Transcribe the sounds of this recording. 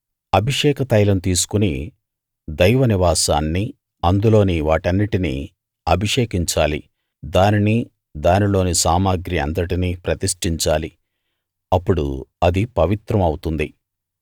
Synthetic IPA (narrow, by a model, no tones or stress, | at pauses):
ɐbʱiʂɛːkɐt̪ɐjlɐnut̪iːs̬u̥kuni | d̪ɐjʋɐniʋaːsaːnːi | ɐnd̪ulo̞ːniʋaːʈɐnːiʈinḭ | ɐbʱiʂɛːkiɲt͡ʃaːli | d̪aːnini | d̪aːnilo̞ːnisaːmaːɡɾiɐ̰nt̪ɐʈiniːpɾɐt̪iʂʈiɲt͡ʃaːli | ɐpːuɽṵɐd̪ipɐʋit̪ɾɐmɐwt̪und̪i